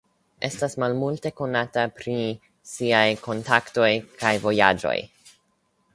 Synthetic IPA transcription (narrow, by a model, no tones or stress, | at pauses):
ʔe̞stasmalmulte̞ko̞natapɾi | siajkʰo̞ntakto̞jkʰajvo̞jad͡ʒo̞̰j